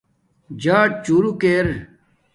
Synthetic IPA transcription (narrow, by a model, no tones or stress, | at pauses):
d͡ʑaːʈ̚t͡ɕuːɾukeːɾ